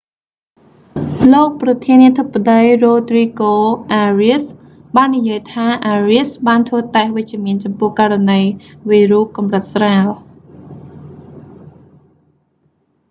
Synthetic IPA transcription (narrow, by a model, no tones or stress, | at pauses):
loːk̚prɑt̪ʰiəniət̪ʰəpːaɗəjroːt̪riːkoːʔaːriəs | ɓaːnːijiəjt̪ʰaːʔaːriəsɓaːnt̪ʰʋəːt̪aɛhʋɨc̚t͡ɕĭəmiənt͡ɕɑmpʊ̆əhkaːranəjʋiːruhkɑmrət̪̚sraːl